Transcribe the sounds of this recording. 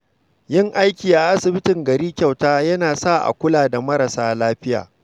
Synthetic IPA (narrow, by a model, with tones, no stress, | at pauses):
jɪ˦ŋʔa˦jkʲiː˨ʔa˨ʔa˦sɪ˨bɪ˦tɪ˨ŋɡɐ˨ɾiː˦kʲa˨wtaː˦jɐ˦naː˨sa˦˨ʔa̰˨kʷʊ˦laː˨da˨mɐ˦ɾɐ˨saː˦laː˦ɸɪ˦ja̰ː˨